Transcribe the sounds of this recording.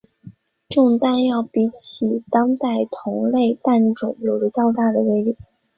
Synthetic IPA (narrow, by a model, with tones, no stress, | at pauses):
ʈ͡ʂʊ˥˧ŋt̪a˥˧njɑ˥˩ʊpi˧˥t͡ɕʰi˨˩t̪ɑ˥ŋt̪a˥˩ɪt̪ʰʊ˧˥ŋle˥˧ɪt̪a˥˩nʈ͡ʂʊ̰˨˩ŋjo˨˩lu˥˧t͡ɕjɑ˥˧ʊt̪a˥˩d̪ə˩we˥˧ɪli˨˩˦